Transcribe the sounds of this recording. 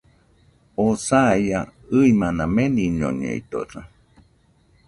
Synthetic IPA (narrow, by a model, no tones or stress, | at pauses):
osajaɨimãnãmẽnĩɲõ̰ɲḛḭt̪o̰ɾa